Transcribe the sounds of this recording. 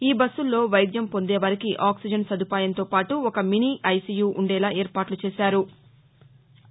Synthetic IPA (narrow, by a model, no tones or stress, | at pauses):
iːbɐsːulːo̞ːʋɐjd̪jɐmpo̞nd̪eːʋɐɾikiʔaːksid͡ʒɐnsɐd̪ʱupaːjɐnt̪o̞ːpaːʈuɔkɐminiːʔɐjsijuːʔuɳɖɛːlaːʔɛːɾpaːʈlut͡ʃɛːsaːɾu